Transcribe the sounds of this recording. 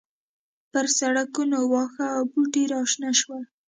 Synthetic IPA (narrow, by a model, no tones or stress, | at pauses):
pəɾsaɽakunowɑxaːwpuʈiɾɑʃnaʃwa